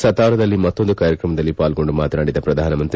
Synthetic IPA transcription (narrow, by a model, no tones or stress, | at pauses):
sɐt̪aːɾɐd̪ɐlːimɐt̪ːo̞nd̪ukaːɾjɐkɾɐmɐd̪ɐlːipaːlɡo̞ɳɖumaːt̪naːɽid̪ɐpɾɐd̪ʱaːnɐmɐnt̪ɾi